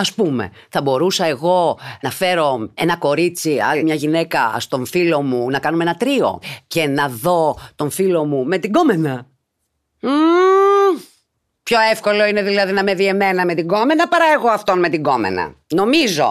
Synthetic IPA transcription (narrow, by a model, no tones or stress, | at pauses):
ɐspume̞̰ | θɐbo̞ɾusɐe̞ɣo̞nɐfe̞ɾo̞enɐko̞ɾit͡siɐ̰limɲɐʝine̞kɐst̪o̞ɱfilo̞munɐkɐnumeenɐt̪ɾio̞̰ce̞nɐðo̞t̪o̞ɱfilo̞mume̞t̪iɡo̞me̞nɐ | pço̞efko̞lo̞ine̞ðilɐðinɐme̞ðie̞me̞nɐme̞t̪iɡo̞me̞nɐpɐɾɐeɣo̞ɐft̪o̞nme̞t̪iɡo̞mḛnɐ̰no̞mizo̞̰